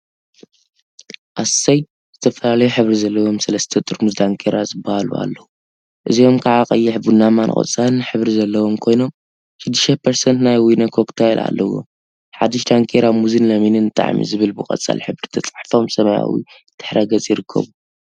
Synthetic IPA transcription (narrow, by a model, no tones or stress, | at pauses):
ʔassɐj | z̥ɨt̪ʰɐfɐlalɐjuħɨβɾizɐlːɐwo̞msɐlɐst̪ʰɐt̪ʼɨɾmuzd̪aŋkʰeɾazɨbːahalṵa̰lːɐwu | ʔɨzio̞mkʰaʕakʼɐjːɪħbunamanʔɨ̰χʼɐ̰t͡sʼanɨħɨβɾizɐlːɐwo̞mkʰo̞jno̞m | ʃɨd̪ːɨʃɐpʰɐɾsɐnt̪najwinɐkʰo̞kt̪ʰajlʔa̰lːɐwo̰m | ħad̪ːɪʃd̪aŋkʰeɾamuzinlɐminɨnɨt̪ʼa̰ʕmḭzɨβɨlbɨkʼɐ̰t͡sʼːa̰lħɨβɾit̪ʰɐt͡sʼaħfo̞msɐmɐja̰wḭ | t̪ʰɨ̥ħɾʔɐɡɐt͡sʼjɪɾɨkʰːɐ̰βu